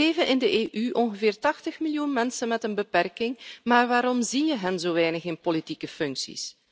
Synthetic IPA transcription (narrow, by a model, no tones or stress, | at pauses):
eːvənʔɪndəʔeːʔyʔɔnɣəvɪːrtɑxtəxmiljunmɛnsənmɛtənbəpɛrkɪŋmaːrʋaːɾɔmzinjəɦənzoːʋɛjnəxɪnpolitikəfɵŋksḭs